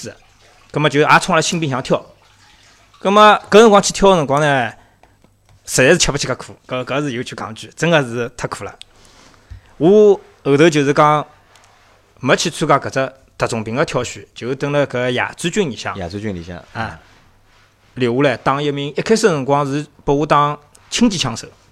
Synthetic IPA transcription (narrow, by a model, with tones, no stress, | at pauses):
ɹ̩˧ | kə˧˥mə˧t͡ɕjo˧a˧˥t͡sʰŋa˥˧lə˧ɕʰi˥ŋpi˥˧ŋɕjɑ˧˥ŋt̪ʰjɑ˥˩ʊ | kə˥mə˧kn˧ŋkwɑ˥ŋt͡ɕʰi˧˥t̪ʰjɑ˥˧nə˧˩ŋkwɑ˥ŋnɛ˧ | sə˨˩ɛ˧˥˧t͡ɕʰjpt͡ɕʰka˧˥kʰu˨˩˦kə˧kə˧z̩˧jo˧ʊt͡ɕʰy˧kɑ̰˧˥ŋt͡ɕy˧˩t͡sə˥ŋə˧z̩˧˥t̪ʰa˧kʰu˨˩la̰˧˦ | u˧˥ | ə˨˩t̪ə˧˥t͡ɕjo˨˩z̩˧˩kɑ˥ŋ | mə˧˥t͡ɕʰi˧t͡sʰu˥ka˧kə˨˩t͡sə˧ | t̪a˧˩t͡sʊ˨˩ŋpi˧˥ŋa˧t̪ʰjʊɕy˨˩˦t͡ɕjo˨˩˧t̪ə˧˥ŋlə˧kə˧˥ja̰˨˩t͡sɹ̩˥t͡ɕy˥˩ni˨˩ɕjɑ̰˥˩ŋa̰˨˩u˧˥˧y˥˧nḭ˨˩ɕjɑ̰˥˧˨a˧˩ | ljo˨˩u˧˥lɛ˧˩t̪ɑ˥ŋjə˧mi˧ŋə˥kʰa˥sə˥˧ɻə˧˩ŋkwɑ˥ŋz̩˧˥pə˧u˧˥t̪ɑ˥ŋ | t͡ɕʰi˥ŋt͡ɕi˧t͡ɕʰjɑ˧˥ŋʂɤ̰˧˩